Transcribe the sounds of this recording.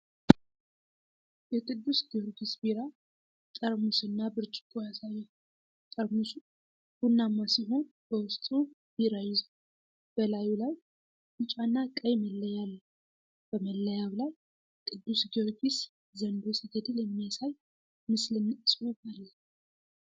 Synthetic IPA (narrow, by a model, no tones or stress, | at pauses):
jɛkʼɨd̪ːusɡioɾɡisbiɾa | t̪ʼəɾmusɨnːabɨɾt͡ʃʼɪ̥kʼujasajɛ | t̪ʼəɾmusu | b̥unːamːasiɦo̞nb̥əwʊst̪ʼu | b̥iɾajɪz | b̥əlajulaj | ɨt͡ʃʼanːakʼəjməlːəjalː | b̥əməlːəjaβlaj | kʼɨd̪ːusɡioɾɡis | zənd̪osəɡəd̪iləmːijasaj | mɨslɨnːɨsʼɨwubʼalːə